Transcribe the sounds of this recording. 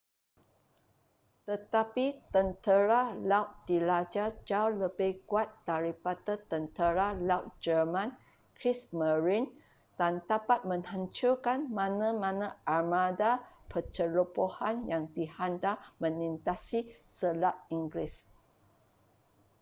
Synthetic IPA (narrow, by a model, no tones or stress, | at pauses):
t̪ət̪apit̪ənt̪əɾalawt̪̚d̥ilad͡ʒad͡ʒauləbɪhkuat̪̚d̥aɾipadət̪ənt̪əɾalawt̪̚d͡ʒəmãn | kɾisməɹin | d̥ant̪apat̪̚mə̃ŋhaɲt͡ʃukanmãnãmãnãʔamãdapʰət͡ʃəlupohanjaŋdihandamə̃nint̪asisəlaʔ̚iŋɡlɪs